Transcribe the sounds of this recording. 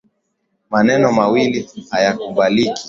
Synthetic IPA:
manɛnɔmawilihajakumbalikʰi̥

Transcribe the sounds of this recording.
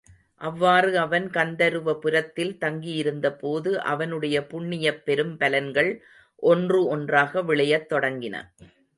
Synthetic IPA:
ʔɐʋːaːrɯɐʋɐnkɐnd̪ɐɾɯʋɐpɯɾɐt̪ːɪlt̪ɐŋɡijɪɾɯnd̪ɐpoːðɯʔɐ̰ʋɐnɯɽɐjɐpʊɳːɪjɐpːɛɾɯmpɐlɐnɡɐɭ | ʔɔndrɯɔndraːɣɐʋɪɭɐjɐt̪ːɔɽɐŋɡɪnɐ̰

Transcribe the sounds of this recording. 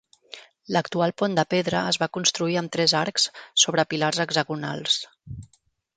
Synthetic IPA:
ləkt̪ualˠpond̪əpeðɾəəzβakunst̪ɾuiəmt̪ɾɛzaɾksːoβ̞ɾəpilarzəɡzəɣuna̰lˠs

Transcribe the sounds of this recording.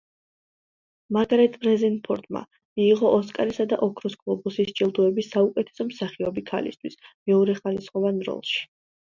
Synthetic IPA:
maɡaɾɛt̪ʼɾɛzɛnpʰɔɾt̪ʼma̰ | miːʁɔʔɔskʼaɾisad̪a̰ʔɔkʰɾusɡʼlˠɔbusist͡ʃʼilˠd̪uɛbisːaukʼɛt̪ʰɛ̥sɔmsaχiɔbikʰa̰lḭst̪ʰwismɛɔɾɛχalisχɔvanɾɔ̰lˠʃi̥

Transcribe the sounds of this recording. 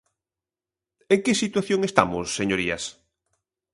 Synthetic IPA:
eŋkɪsit̪waθjoŋest̪a̰mosːeɲoɾiɐs

